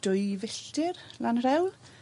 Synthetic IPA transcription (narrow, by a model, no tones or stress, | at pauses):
d̥ʊjvɪɬtɪrlanrɛwl